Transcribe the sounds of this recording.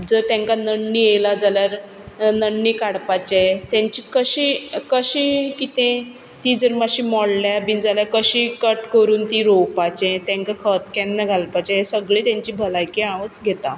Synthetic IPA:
d͡zəɾt̪ɛ̃ŋkanəɳːielad͡zaljaɾ | nəɳːikaɽpat͡ɕet̪jãɲt͡ɕikəɕikəɕikit̪ẽ | t̪id͡zəɾmaɕiːmɔɽljabind͡zaljaɾkəɕikəʈkəɾuːnt̪iɾowpat͡ɕet̪ɛ̃ŋkakʰət̪kɛnːəɡʱalpat͡ɕeesəɡɭiːt̪jãɲt͡ɕiːbʱəlajkiãʋət͡sɡʱet̪a

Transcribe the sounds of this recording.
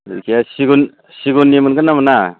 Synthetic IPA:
ikiasiɡun | siɡunːimɯnɡɯnːamana

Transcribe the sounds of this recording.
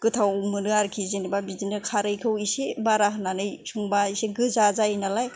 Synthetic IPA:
ɡ̥ɯtʰawmɯnɯaɾkʰizenibabizinɯkʰaɾɯjkʰɯwisebaɾaɦɯnanɯjsuŋbaiseɡɯzazainalaj

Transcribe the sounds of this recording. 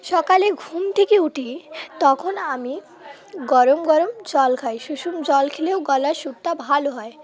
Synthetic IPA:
ʃɔkaleɡʱumt̪ʰekeuʈit̪ɔkʰonami | ɡɔɾomɡɔɾomd͡ʑɔlkʰajʃuʃumd͡ʑɔlkʰeleʊɡɔlaɾʃut̪ːabʱaloɦɔe

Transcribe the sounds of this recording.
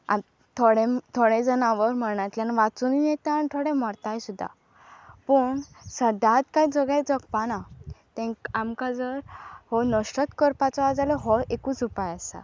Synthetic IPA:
a̰ | t̪ʰoɽet̪ʰoɽẽd͡zənaʋəɾm̤əɽ̃at̪ljanʋat͡sunijet̪aanit̪ʰoɽɛ̃mɔɾt̪ajsud̪ʱːa̰ | pəɳsəd̪ʱat̪kajd͡zəɡad͡zəɡpanat̪ɛ̃amkad͡zəɾhɔnəʂʈət̪kəɾpat͡sɔʋad͡zalɔɦɔʔekũt͡supajasa̰

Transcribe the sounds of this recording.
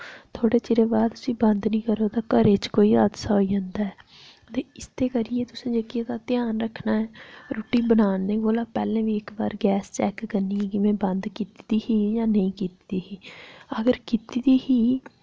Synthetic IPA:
t̪ʰoːɽeːt͡ʃɪɾeːbaːd̪t̪ʊsĩːbənd̪nĩːkəɾoːt̪aːkəɾeːt͡ʃkoːiːaːd̪saːɦoiːd͡ʒãnd̪aːɛː | t̪eːɪst̪ʰeːkəɾɪjeːt̪ʊsẽːd͡ʒeːkɪeːt̪aːt̪ɪjaːnɾəkʰnaːɛːɾoːʈiːbənaːnẽːboːlaːpɛːlẽːʋiːɪkba̰ːɾɡɛːst͡ʃɛːkːəɾniːɛ̃ːkɪʋẽːbənd̪kiːt̪id̪iːɦiːjãːnəĩːkiːt̪id̪iːɦiːəɡəɾkiːt̪id̪iːɦiː

